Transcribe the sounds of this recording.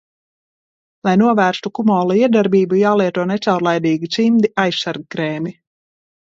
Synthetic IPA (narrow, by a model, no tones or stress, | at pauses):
lˠajnuɔvæːɾst̪ukumɔːlˠuiɛd̪aɾbiːbujaːlˠiɛt̪uɔnet̪sawɾlˠajd̪iːɡit͡ʃ̪ʲimd̪iʔajssaɾɡkɾɛːmi